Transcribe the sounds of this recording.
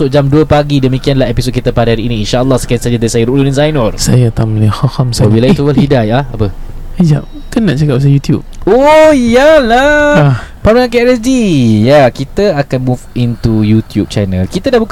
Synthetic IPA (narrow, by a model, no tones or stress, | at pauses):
ʊʔd͡ʒamduəpaɡidəmikianlahepisot̚kit̪əpadaaɾiːniːnʃaʔəlːɔhsə̥kansad͡ʒədasajəɾuʔlunzajnərsajat̪amilixahamsabilajt̪uwəlhidajahapəhid͡ʒa̰ʔ̚ | kanːaʔt͡ʃakap̚s̬ajut̪jṵp̚ojala | pamaãŋkɛʔləd͡ʒijakit̪əakanmũfint̪ujut̪jup̚t͡ʃanə̃lkit̪ədahbuk